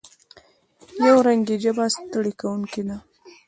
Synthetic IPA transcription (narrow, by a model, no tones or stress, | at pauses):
jawɾaŋɡid͡ʒabast̪ɽikawuŋkid̪a